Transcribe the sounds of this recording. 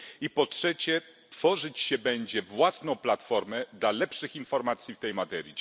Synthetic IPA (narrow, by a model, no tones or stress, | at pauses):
ipɔtʂɛt͡ɕɛ | t̪fɔʐɘt͡ɕɕɛbɛɲd͡ʑɛvwasnɔ̃w̃plat̪fɔɾmɛd̪lalɛpʂɘxinfɔɾmat̪sʲjift̪ɛjmat̪ɛɾʲji